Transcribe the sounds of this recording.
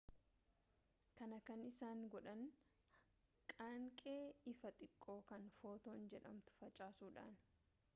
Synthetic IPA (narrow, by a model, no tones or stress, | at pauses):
kɐnɐkɐnɪsaːŋɡɔᶑɐn | kʼaːŋkʼe̞ːɪfɐt̪ʼɪkʼːo̞ːkɐnfo̞ːt̪oːnd͡ʒɛᶑɐ̰mt̪ʊ̥fɐt͡ʃʼaːsuːᶑa̰ːn